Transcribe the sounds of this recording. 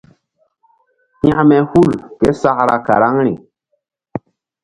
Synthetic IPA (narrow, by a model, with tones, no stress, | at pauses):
ha˦mɛ˨hu˦lke˦sa˦kɾa˨ka̰˨ɾa˦ŋɾi˨